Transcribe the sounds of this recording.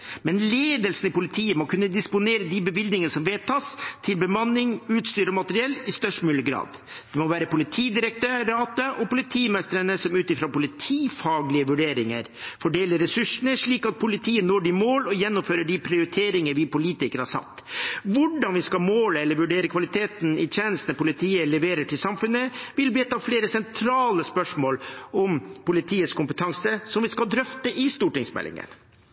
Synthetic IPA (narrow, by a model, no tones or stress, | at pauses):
mɛnleːd̪əlsn̩ɪpʊlɪt̪ʰiːəmɔkʰʉnːəd̪ɪspʊneːɾəd̪ɪbəʋɪld̪nɪŋənsɔmʋeːt̪ʰɑːst̪ʰɪlbəmɑnːɪŋʉːt̪st̪yːɾɔmɑt̪əɾɪɛlːɪst̪œʂʈmʉːljəɡɾɑ̰ːd̪ | d̪̥ɛmɔʋæːɾəpʊlɪt̪ʰiːd̪ɪɾək̚t̪ʰøːɾɑːt̪əʔɔpʊlɪt̪ʰiːmɛst̪əɾənəsɔmʉːt̪ɪfɾopʊlɪt̪ʰiːfɑːɡlɪəʋʉɖeːɾɪŋə̰ɾfɔɖeːləɾɛsʉʂənəʂɭiːkɑt̪̚pʰʊlɪt̪ʰiːənoːɖimoːlɔjɛnːʊmføːɾəɖɪpʰɾɪʊɾɪt̪ʰeːɾɪŋəɾʋɪpʊliːt̪ɪkəɾhɑʂɑ̰t̪ːʋʊɖɑnʋɪskɑmoːləɛlːəɾʋʉɖeːɾəkʰʋɑlɪt̪ʰeːt̪n̩ɪt̪ʰeːnəst̪nəpʊlɪt̪ʰiːəlɛʋeːɾəʈʰɪlsɑmfʉnəʋɪlbiːt̪ʰːɑːfleːɾəsɛnt̪ʰɾɑːləspœʂmoːlɔmpʊlɪt̪ʰiːəskʊmpət̪ʰɑŋsəsɔmʋɪskɑld̪ɾœft̪əʔɪst̪uːʈɪŋsmɛ̰lɪ̰ŋə̰n